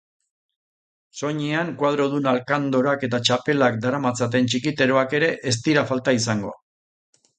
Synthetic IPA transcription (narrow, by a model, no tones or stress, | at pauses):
so̞ɲeaŋkwað̞ɾo̞ðunalkand̪oɾake̞t̪at͡ʃape̞lak̚d̪aɾamat͡sat̪̬e̞nt͡ʃikit̪e̞ɾo̞ake̞ɾe̞ʔes̬t̪iɾafalt̪aisaŋɡo̞̰a